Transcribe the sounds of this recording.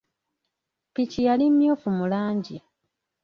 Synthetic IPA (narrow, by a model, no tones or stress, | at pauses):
picijalimjoːfumulaːɲɟa